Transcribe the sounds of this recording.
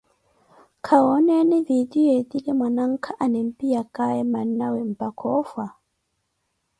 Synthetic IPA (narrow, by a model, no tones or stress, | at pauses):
kʰaɔnɛniðidiet̪ilɛmwanaŋ̩kʰaʔanɛm̩pijakaɛmanːawɛm̩pakʰɔfwa